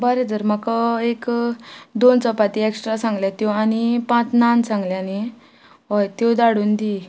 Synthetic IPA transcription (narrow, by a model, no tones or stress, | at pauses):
bəɾed͡z̪əɾmakaek | d̪ont͡səpat̪ieksʈɾasãŋɡljat̪jɔ̃anipãt͡snansãŋɡljani | ɦɔjt̪od̪aɽuːnd̪i